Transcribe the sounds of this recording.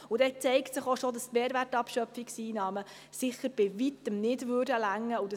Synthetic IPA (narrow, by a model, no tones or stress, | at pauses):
udɛt͡sɛɪktsɪχoʃod̪ɑstmeːɾʋærtɑpʃœpfiksiːnɑːmə | sɪχəɾb̥ɪvit̪ːəmnɪdʋʏːrdəlæŋːəudɑ